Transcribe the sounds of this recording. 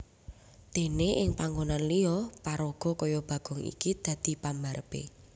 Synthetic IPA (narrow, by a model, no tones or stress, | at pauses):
d̪̥e̤neʔɪŋpaŋɡonanliɔpaɾoɡ̥ɔ̤kɔjɔb̥ä̤ɡ̥ɔ̤ŋḭkid̪̥ä̤d̪̥i̤pambaɾəpḛ